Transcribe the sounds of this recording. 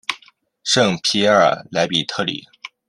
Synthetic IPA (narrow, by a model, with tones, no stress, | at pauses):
ʂɤ˥˩ŋpʰi˧˥ə̰˞˨˩la˧˥ɪpi˨˩t̪ʰɤ˥˩lḭ˨˩˦